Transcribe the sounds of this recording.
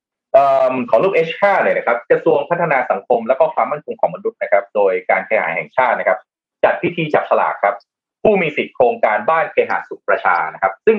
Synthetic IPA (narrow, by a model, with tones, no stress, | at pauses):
ʔəː˨˩mkʰɔː˩˦lu˥˩k̚ʔeː˦˥haː˥˩lɤː˧˩jna˨˩kʰa˦˥p̚kɾa˧su˧əŋpʰa˦˥t̪ʰːa˧naː˧sa˩˦ŋkʰo˧mlɛː˦˥wkɔː˥˩kʰwaː˧mːa˥˩nkʰo˧ŋkʰɔː˩˦ŋma˧nu˦˥t̪̚na˦˥kʰɾa˦˥p̚doː˧jka̰ː˧nkʰaː˧jha̰ː˩˦jɦɛ̰˨˩ŋt͡ɕʰaː˥˩t̪̚na˦˥kʰa˦˥p̚ | t͡ɕa˨˩t̪̚wi˦˥t̪ʰiː˧t͡ɕaː˨˩k̚sʰa˧la̰ː˨˩kʰɾa˦˥p̚ | pʰːuː˥˩miː˧si˨˩t̪̚kʰɾoː˧ŋkaː˧nbaː˥˩nkʰeː˧ɦa̰ː˩˦su˨˩k̚pɾa˧t͡ɕʰa̰ː˧na˦˥kʰa˦˥p̚sɯ˥˩ŋ